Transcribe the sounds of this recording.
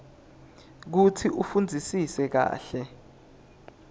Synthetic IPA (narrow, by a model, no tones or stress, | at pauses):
k̬utʰiʔufund͡zʱisisɛk̬a̰ːɬɛ